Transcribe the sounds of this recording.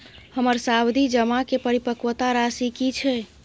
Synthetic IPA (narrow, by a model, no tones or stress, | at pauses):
həməɾsawd̪ʱid͡ʒəmakepəɾipəkwət̪aɾasikit͡ʃʰɛ